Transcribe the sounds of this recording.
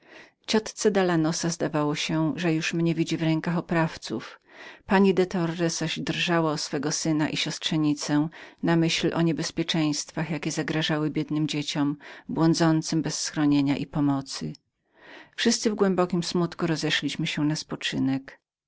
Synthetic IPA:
t͡ɕɔt̪t̪sɛd̪alanɔsazd̪avawɔɕɛʐɛjuʂmɲɛvʲid͡ʑivɾɛŋkaxɔpɾaft̪sṵfpaɲid̪ɛt̪ɔrːɛsaɕd̪rʐawaɔsfɛɡɔsɘnaʔiɕɔstʂɛɲit̪sɛnamɘɕlʔɔ̰ɲɛbɛspʲjɛt͡ʂɛ̃j̃st̪faxjakʲɛzaɡɾaʐawɘbʲjɛd̪nɘmd͡ʑet͡ɕɔmbwɔnd̪zɔnt̪sɘmbɛsːxɾɔɲeɲaʔipɔmɔt̪sɨ | fʂɘst̪sɨvɡwɛmbɔkʲimsmut̪kuɾɔzɛʂlʲiɕmɘɕɛnaspɔt͡ʂɘnɛk

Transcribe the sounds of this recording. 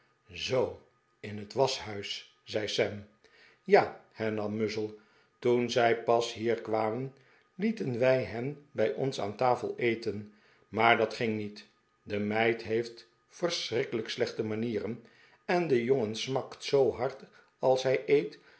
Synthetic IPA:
zow | ɪnɦətʋɑsɦœɥs | z̥ɛjsɛm | jaːhɛɹnɑmːɵzəlˠ | tunzɛjpɑsɦiːɹkʋaːmən | litənʋɛjɦɛmbɛjʔɔ̰nsa̰ːntaːfə̰lˠejtən | maːɹdɑtχɪŋnit | dəmɛjtɦejft | fəɹsrɪkələkslɛχtəmaniːrən | ɛndəjoŋənsmɑktsowɦɑɹt | ɑlˠsɦɛjʔejt

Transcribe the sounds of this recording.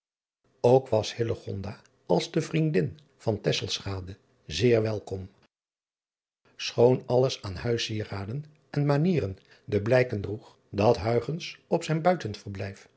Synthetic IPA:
owkʋɑshɪləχɔndaː | ɑlˠzdəvrindɪn | v̥ɑntɛsəlˠsχaːdə | zɪːɹʋɛlˠkɔm | sχownɑləsaːnhœɥsiːəraːdən | ɛnmaniːrən | dəblɛjkəndruχ | dɑtɦœɥχənsɔpsɛjnbœɥtənfəɹblɛjf

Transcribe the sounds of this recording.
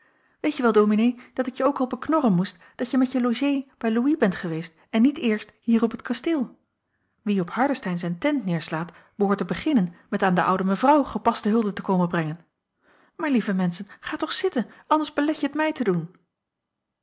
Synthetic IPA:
ʋejtjəʋɛlˠdowminejd̥ɑtɪkjəowkɑlˠɔpəknɔrənmust | d̥ɑtjəmɛjəloʒejb̥ɛjluibɛntχəʋejst | ɛnːitɪːɹstɦiːrɔpətkɑsteːlˠ | ʋiɔphɑɹdəstɛjnzɛjntɛntnɪːɹslaːt | b̥əɦʊːɹtəbəχɪnənmɛtaːndəʔʌ̰wdəməvrɑwχəpɑstəɦɵlˠdətəkowmənbrɛŋən | maːɹlivəmɛnsənχaːtɔχsɪtənɑndəɹzbəlɛxjəətmɛjtədun

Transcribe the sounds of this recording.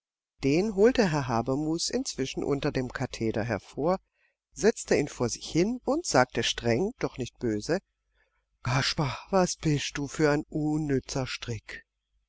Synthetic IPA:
d̥eːnɦoːltəɦɛɐɦaːbɐmuːsɪnt͡sv̥ɪʃn̩ʔʊ̰ntɐdeːmkʰatʰeːdɐɦɛɐfoːɐ | zɛt͡stəiːnfoːɐzɪçhɪnʊntz̥aːk̚təʃtʁ̥ɛŋd̥ɔχnɪçt̚b̥øːzə | kaʃpavasb̥ɪst̚d̥uːfyːɐaɪnʔunːʏt͡sɐʃtʁ̥ɪk

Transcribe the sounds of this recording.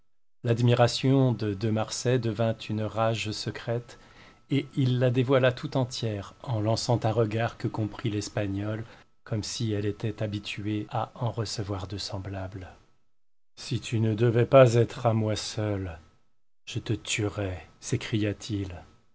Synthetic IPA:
lad̪miʁasjɔ̃d̪əd̪əmaʁsɛd̪əvɛ̃t̪ʰynʁaʒsəkχɛt̪ | eilːad̪evwalat̪ʰut̪ɑ̃t̪jɛʁɑ̃lɑ̃sɑ̃t̪ɛ̃ʁəɡaʁkəkɔ̃pχilɛspaɲɔl | kʰɔmsiɛlet̪ɛt̪abit̪yeaɑ̃ʁəsəvwaʁd̪əsɑ̃blabl | sit̪ynəd̪əvɛpazɛt̪χamwasœl | ʒ̥ət̪ət̪yʁɛsekχijat̪ʰil

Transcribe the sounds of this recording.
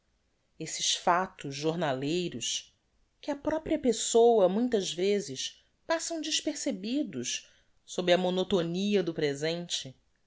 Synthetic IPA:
esɪʃfat̪ʊʒʒoɾnalejɾʊs | kɪɐpɾɔpɾiɐpesowɐmũj̃t̪ɐʒvezɪʃ | pasɐ̃w̃d͡ʒɪʃpeɾsebid̪ʊʃ | sobɾɪɐmonot̪oniɐd̪ʊpɾezẽnt͡ʃɪ

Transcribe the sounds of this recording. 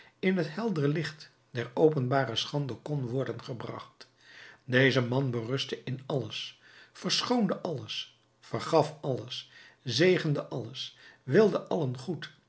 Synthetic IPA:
ɪnɦətɦɛlˠdərəlɪχt | d̥ɛɹowpənbaːrəsχɑndəkɔnʋɔɹdənχəbrɑ̰χt | dejzəmɑnbərɵstəʔɪnɑləs | fəɹsχowndəʔɑləs | fəɹχɑfɑləs | zejχəndəʔɑləsʋɪlˠdəʔɑlənχut

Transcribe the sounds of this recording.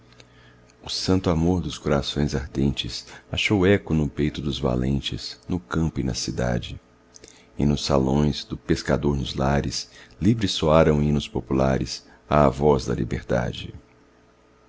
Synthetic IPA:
ʊsɐ̃nt̪ʊamoɾd̪ʊskoɾasõj̃zaɾd̪ẽnt͡ʃɪsaʃowɛkʊnʊpejt̪ʊd̪ʊzva̰lḛ̃nt͡ʃɪz̥nʊkɐ̃mpʊɪnɐ̰sid̪a̰d͡ʒɪ | ɪnʊsalõ̰j̃zd̪ʊpeskad̪oɾnʊzlaɾɪslivɾɪsːoaɾɐ̃w̃inʊspopulaɾɪs | aːvɔzd̪ɐ̰lḭbḛɾd̪a̰d͡ʒɪ

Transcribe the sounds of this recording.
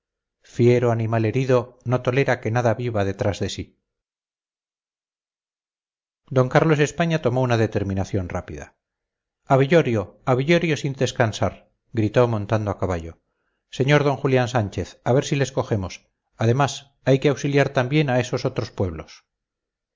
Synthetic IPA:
fje̞ɾoanimale̞ɾiðo̞no̞t̪o̞le̞ɾake̞naðaβiβaðe̞t̪ɾazðe̞si | d̪o̞ŋkaɾlo̞se̞spaɲat̪o̞mo̞unaðet̪e̞ɾmĩnaθjo̞nra̰piða̰ | aβiʎo̞ɾjoaβiʎo̞ɾjo̞sind̪e̞skansaɾ | ɡɾit̪o̞mõ̞nt̪and̪oakaβaʎo̞ | se̞ɲo̞ɾðo̞ŋxuljansaɲt͡ʃe̞θaβe̞ɾsile̞sko̞xe̞mos | aðe̞mas | ajke̞awsiljaɾt̪ambje̞nae̞soso̞t̪ɾo̞spwe̞β̞los

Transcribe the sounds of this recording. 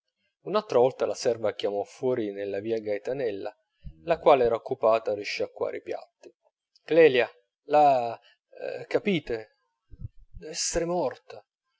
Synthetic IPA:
unalt̪ɾavɔlt̪alasɛrvakjamɔfːwɔːɾinelːaviːaɡajt̪anɛlːa̰ | lakwaːleɛːɾaokːupaːt̪ariʃːiakːwa̰ːɾḭpja̰t̪ːi̥ | klɛːlja | la | kːapiːt̪e | d̪ɛsːeɾemɔrt̪a

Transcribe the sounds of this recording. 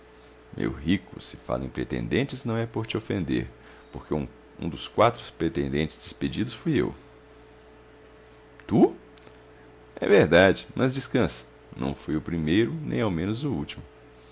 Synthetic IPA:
mʔḛwɦikʊ̰sɪ̥fa̰lẽj̃pɾet̪ḛ̃nd̪ẽnt͡ʃɪznɐ̃w̃ɛpoɾt͡ʃɪofẽnd̪eɾ | poɾkeũ | ũd̪ʊskwat̪ɾʊ̥spɾet̪ẽnd̪ẽnt͡ʃɪ̥zd͡ʒɪsped͡ʒid̪ʊsfojḛw | t̪u | ɛ̰veɾd̪ad͡ʒɪmʔɐzd͡ʒiskɐ̃sɐ̥ | nʔɐ̰̃w̃fojʊpɾimejɾʊnẽj̃awmẽnʊzʊut͡ʃimʊ

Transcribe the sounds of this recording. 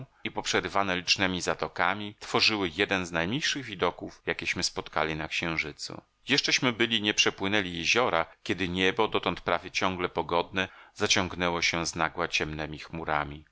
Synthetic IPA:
ipɔpʂɛɾɘvanɛlʲit͡ʂnɛmʲizat̪ɔkamʲit̪fɔʐɘwɘjɛd̪ɛnznajmɲejʂɘɣvʲid̪ɔkufjakʲɛɕmɘspɔt̪ka̰lʲinakɕɛ̃w̃ʐɘt̪sṵ | jɛʂt͡ʂɛɕmɘbɘlʲiɲɛpʂɛpwɘnɛlʲijɛʑɔɾakʲɛd̪ɘɲɛbɔd̪ɔt̪ɔnt̪̚pɾavʲjɛt͡ɕɔ̃ŋɡlɛpɔɡɔd̪̚nɛz̥at͡ɕɔŋɡnɛwɔɕɛznaɡwat͡ɕɛmnɛmʲixmuɾamʲi

